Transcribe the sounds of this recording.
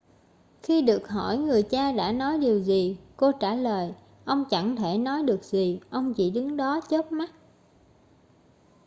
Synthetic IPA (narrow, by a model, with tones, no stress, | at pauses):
xi˧ɗɨ˨˩ək̚ɦɔ˧˩jŋɨ˨˩əjt͡ɕaː˧ɗa̰ː˧˥nɔ˨˦jɗi˨˩əwzi˨˩ko˧t͡ɕaː˧˩ləː˨˩j | ʔə˧wŋ͡mt͡ɕa˧˩ŋt̪ʰe˧˩nɔ˨˦jɗɨ˨˩ək̚zi˨˩ʔə˧wŋ͡mt͡ɕḭ˧˩ɗɨ˨˦ŋɗɔ˨˦t͡ɕə˦˥t̚ma˦˥t̚